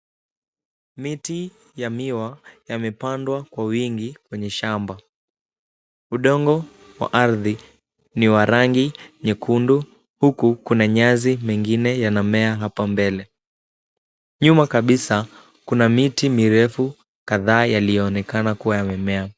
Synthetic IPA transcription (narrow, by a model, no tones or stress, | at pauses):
miti | jamiwajamɛpandwakwawiŋɡikwɛɲɛʃamba | uɗɔŋɡɔ | wa̰ʔaɾði | niwaɾaŋɡiɲɛkʰundu | hukukunaɲazimɛŋɡinɛjanamɛaɦapambɛlɛ | ɲumakaɓisa | kunamitimiɾɛfu | kaðaːjalijɔːnɛkanakuwajamɛmɛa